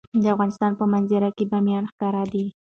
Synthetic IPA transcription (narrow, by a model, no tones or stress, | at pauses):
d̪əafɣɑnɪst̪ɑnpəmanzɪɾakebamjɑnxkɑɾad̪i